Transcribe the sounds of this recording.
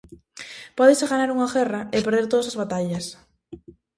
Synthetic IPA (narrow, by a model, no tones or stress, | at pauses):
pɔðɪseɣanaɾuŋaɣɛraʔepeɾðeɾt̪oðasazβat̪aʎɐs